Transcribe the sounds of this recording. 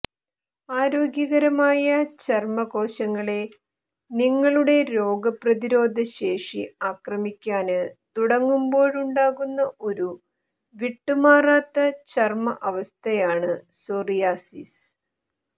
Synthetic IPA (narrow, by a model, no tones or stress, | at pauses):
aːɾo̞ːɡjɐɣɐɾɐmaːjɐt͡ɕɐrmɐɣo̞ːɕɐŋːɐɭe̞ | niŋːɐɭuɽe̞ɾo̞ːɡɐprɐðiɾo̞ːd̪ʱɐɕe̞ːʂiaːkrɐmikʲːaːnɨt̪uɽɐŋːumbo̞ːɻuɳɖaːɣunːɐʔo̞ɾu | ʋiʈːumaːraːt̪ːɐt͡ɕɐrmɐʔɐʋɐst̪ʰɐjaːɳɨsorijaːsḭs